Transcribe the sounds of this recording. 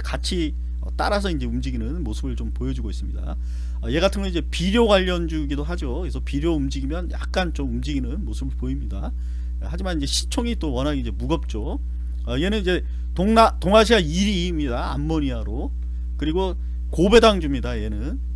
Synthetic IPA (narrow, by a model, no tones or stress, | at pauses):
kat͡ɕʰi | ʌ̰t͈a̰ɾas̬ʰʌind͡ʑe̞umd͡ʑiɡinɯnmosʰɯbɯɭt͡ɕompojʌd͡ʑuɡois͈ɯmɲida̰ | ʌje̞ɡatʰɯnŋɡʌnid͡ʑe̞piɾjoɡwaʎːʌnd͡ʑuɡidoɦad͡ʑokesʰʌpiɾjoumd͡ʑiɡimjʌnja̰k̚k͈ant͡ɕomumd͡ʑiɡinɯnmosʰɯbɯɭpoimɲida | had͡ʑimanind͡ʑe̞ɕʰi̥t͡ɕʰoŋit͈owʌnɦaɡeid͡ʑe̞muɡʌp̚t͡ɕ͈o | ʌie̞nɯnid͡ʑe̞ | toŋnatoŋaɕʰiaiɾi | mɲidaa̰mːoɲiaɾo | kɯɾiɡo | kobe̞daŋd͡ʑumɲidaje̞nɯn